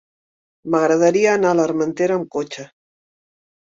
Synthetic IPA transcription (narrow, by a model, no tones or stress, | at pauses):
maɣɾaðaɾiaːnalaɾmant̪eɾamkot͡ʃa